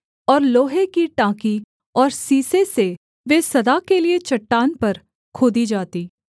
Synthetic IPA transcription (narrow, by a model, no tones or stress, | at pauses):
ɔːɾloːɦekiʈãːki | ɔːɾsiːsese | ʋeːsɐd̪akeliet͡ʃɐʈːaːnpɐɾ | kʰoːd̪id͡ʒaːt̪iː